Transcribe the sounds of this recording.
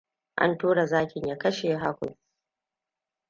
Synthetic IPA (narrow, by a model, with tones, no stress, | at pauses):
ʔa̰˦ntuː˦ɽa˨zaː˦kʲɪ˨ɲjaː˦˨kɐ˦ʃe˨ɦa˦kʷʊ̰˨n